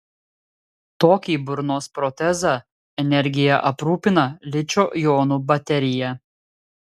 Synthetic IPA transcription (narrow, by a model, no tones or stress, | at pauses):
t̪oːkʲiːbʊɾnoːspɾɔt̪ʲɛzɑˑ | ɛnʲɛɾʲɡʲɪjɛʔɐpɾuːpʲɪnɐlʲɪt͡ʃʲoːjoːnuːbɐt̪ʲɛɾʲɪjɛ